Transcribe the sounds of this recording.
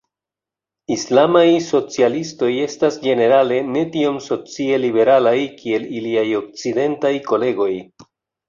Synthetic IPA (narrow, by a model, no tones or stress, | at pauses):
islamajso̞t͡sialisto̞je̞stasɡe̞ne̞ɾale̞ne̞tio̞mso̞t͡sie̞libe̞ɾalajkie̞liliajo̞k̚t͡side̞ntajko̞le̞ɡo̞j